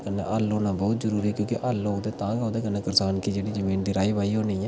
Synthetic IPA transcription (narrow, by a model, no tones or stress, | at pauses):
kənːḛːʔəloːnaːbɔːt̪zəɾuːɾiːkjõːkeʔəlõd̪eːt̪ãːɡãːd̪eːkənːẽːkɪɾsaːnkiːd͡ʒeːɽiːzəmiːnd̪ɪɾaːiːbaːiɦoːniːɛː